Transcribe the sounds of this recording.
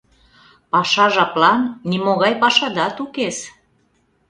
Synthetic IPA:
pɑʃɑʒɑplɑnːimoɣɑjpɑʃɑd̪ɑt̪ukes

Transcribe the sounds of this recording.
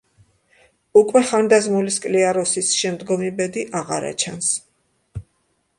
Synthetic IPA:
ukʼwɛχand̪azmuliskʼliaɾɔsisʃɛmd̪ɡɔmibɛd̪iʔaʁa̰ɾa̰t͡ʃʰans

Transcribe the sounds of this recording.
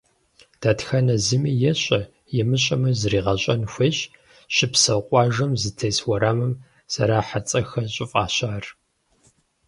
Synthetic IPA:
d̥aːtxɐnɐzɨmijɛɕʼɐ | jɛmɨɕʼɐmɐzriːʁɐɕʼɐnxʷeːɕ | ɕɪpsɐqʷʼɑːʒɐmzɨtʰeːswɐɾaːmɨm | sɐɾaːħat͡sʼɐxɐɕʼɪfʼaːɕaːr

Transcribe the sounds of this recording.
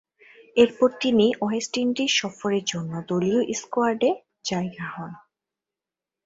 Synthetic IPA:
eɾpɔɾt̪iniʔɔesʈinʈiɾʃɔfoɾeɾd͡ʑonːod̪olioʔiskoaɾɖe | d͡ʑaeɡahɔn

